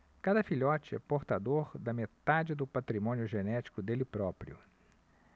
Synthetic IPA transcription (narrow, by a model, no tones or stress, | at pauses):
kad̪ɐfiʎɔt͡ʃɪɛ̰poɾt̪ad̪oɾd̪ɐmet̪ad͡ʒɪd̪ʊpat̪ɾimõnjʊʒenɛt͡ʃi̥kʊd̪elɪpɾɔpɾjʊ̰